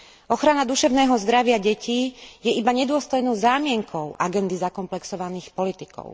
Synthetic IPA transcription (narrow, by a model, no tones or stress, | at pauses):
ɔxɾanad̪uʃɛʊnɛːɦɔzd̪ɾaʋɪaɟɛciːjɛibaɲɛd̪ʊɔst̪ɔjnɔʊzaːmɪɛŋkʰɔʊʔaɡɛnd̪izakɔmplɛksɔʋaniːxpɔlit̪ikɔ̰ʊ